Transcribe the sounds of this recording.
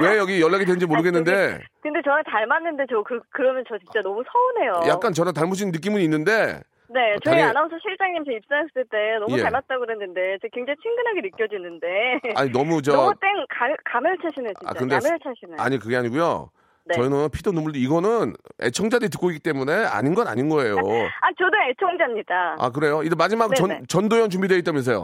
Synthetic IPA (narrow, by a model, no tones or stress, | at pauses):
we̞jʌɡijʌɭːaɡidwenɯd͡ʑimoɾɯɡe̞nːɯnde̞kɯnde̞t͡ɕʌnɯtaɭmanːɯnde̞t͡ɕokɯkɯɾʌmjʌnt͡ɕʌt͡ɕint͡ɕ͈anʌmusʰʌunɦe̞jojakk͈ant͡ɕʌnɯt̬aɭmoɕ̬ʰinnːɯk͈imuninːɯnde̞ | ne̞t͡ɕʌanaosʰʌɕʰiɭt͡ɕ͈aŋɲimt͡ɕeip̚s͈aŋesʰʌ̥sɯɭt͈e̞nʌmueaɭmat̚t͈aɡoɦenːɯnde̞t͡ɕekweŋd͡ʑaŋit͡ɕʰiŋɡɯnaɡenɯkkjʌd͡ʑinɯnde̞a̰ɲinʌmut͡ɕʌmut͈eŋkakamɯɭt͡ɕʰaɕʰinet͡ɕia̰kt͡ɕaɯndemɯɭt͡ɕʰaɕʰinɯa̰ɲikɯɡe̞aɲiɡujo̰ | net͡ɕʌinɯnpʰidonumuɭdeiɡʌnɯne̞̰t͡ɕʰʌŋd͡ʑadɯit̬ɯk͈oik͈it͈e̞mune̞a̰ɲinɡʌna̰ɲinɡʌe̞joat͡ɕodɯŋet͡ɕʰʌŋd͡ʑamɲid̥aa̰k̬ɯɾe̞joid͡ʑemad͡ʑimaɡnʌnt͡ɕʌndojʌnt͡ɕumbidweɡit͈amumes̬ʰejo̰